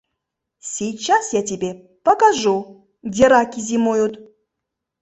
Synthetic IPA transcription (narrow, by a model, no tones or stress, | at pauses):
sʲijt͡ɕːasjatʲɪbʲe | pɐkaʐu | dʲeɾakʲizʲimojut̪